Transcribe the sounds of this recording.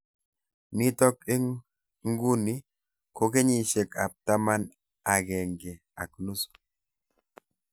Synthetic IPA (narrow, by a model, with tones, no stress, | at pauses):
ni˦tɔ˦k̚i˦ŋ | ŋ˦ɡu˦ni˦ | ko˨ke˦ɲi˨ʃe˨ka̰˨p̚ta˦ma˦n | a˨ɡɛ˨ŋɡe˨ | a̰˨knu˦su̥˨